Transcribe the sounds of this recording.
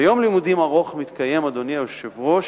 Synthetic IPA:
jo̞mlimud̪imaʁo̞χmit̪kaje̞mad̪o̞niaʃevʁoʃ

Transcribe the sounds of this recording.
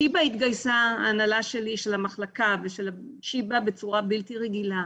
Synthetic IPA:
ibait̪ɡajsaaːnalaʃe̞liʃe̞lamaχlakaveʃelaʃibabe̞t͡suʁabilt̪iʁeɡila

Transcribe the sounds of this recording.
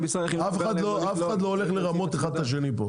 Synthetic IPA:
safexad̪loafexad̪looleχleʁamo̞t̪aχad̪aʃ̬enipo

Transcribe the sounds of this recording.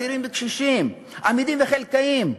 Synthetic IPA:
iɾimbekʃiʃim | ʔamid̪imveχelkaim

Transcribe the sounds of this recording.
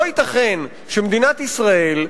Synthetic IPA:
oit̪aχen | ʃemd̪inat̪isʁae̞l

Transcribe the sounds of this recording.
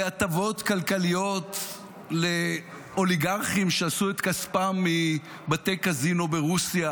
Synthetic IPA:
at̪avo̞t̪kalkalijo̞t̪ | le̞ | o̞liɡaʁχimʃeasuet̪kaspamːi | bat̪ejkazinobeʁusja

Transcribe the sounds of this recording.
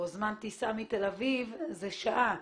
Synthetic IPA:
ozmant̪isamit̪elavivzeʃaʔa

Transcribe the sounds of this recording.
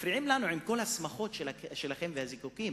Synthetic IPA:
fɾiʕimlanuʕimko̞lhasmaχo̞t̪ʃeaʃelaχe̞mvehazikukim

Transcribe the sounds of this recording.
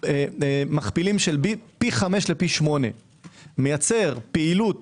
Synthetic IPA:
maχpilimʃelbipiχame̞ʃlepiʃmo̞ne̞̰ | mejat͡se̞ʁpeilut̪

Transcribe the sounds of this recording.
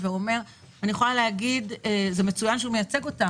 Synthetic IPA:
veo̞me̞ʁ | anijeχolaleaɡidezeme̞t͡sujanʃeumejat͡se̞ɡo̞ta

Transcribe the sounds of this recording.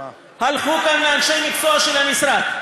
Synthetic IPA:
halχukameanʃejmikt͡soaʃelhamisɾa

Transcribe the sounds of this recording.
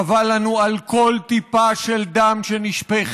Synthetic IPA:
avalanualko̞lt̪ipaʃeld̪amʃeniʃpeχ

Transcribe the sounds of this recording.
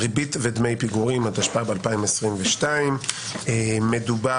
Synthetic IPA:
ʁibitvedmejpiɡuʁimhataʃpaabealpaimesʁimveʃtaimː | eduba

